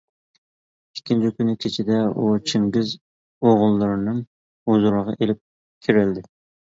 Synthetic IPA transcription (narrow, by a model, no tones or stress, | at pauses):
ikʲʰːint͡ʃʰikʲynɪkʲʰet͡ʃʰɪd̪ɛut͡ʃʰiŋɡʲiz | oʁʊlˠːɨɾɨnɨŋ | uzuɾəʁɑ̰ʔelɪp̚ | kʲʰiɾɪld̪ɪ